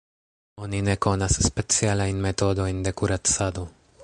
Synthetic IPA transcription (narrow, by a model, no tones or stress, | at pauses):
o̞nine̞ko̞nasːpe̞t͡sialajnme̞to̞do̞jnde̞kuɾat͡sado̞